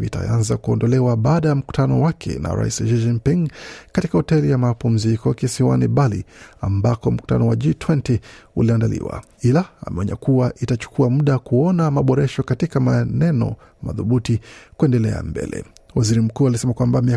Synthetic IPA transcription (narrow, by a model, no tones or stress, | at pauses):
ḭta̰anzakuɔndɔlɛwaɓaːɗajam̩ku̥tʰanɔwakʰɛ̰na̰ɾa̰ḭsʃid͡ʒinpiŋkatikahɔtɛlijamapum̩zikɔkisiwa̰niɓalḭambakɔm̩ku̥tanɔwaʄiːtʰwɛntiuliandalḭwa̰ | ilaa̰mɛɔɲa̰kuwaʔitat͡ʃu̥kuamuɗakuɔnamaɓɔɾɛʃɔkatikamanɛnɔ̰ | ma̰ðuɓutikuɛndɛlɛ̰a̰mbɛ̰lɛ̰waziɾim̩kuːalisɛmakwambamia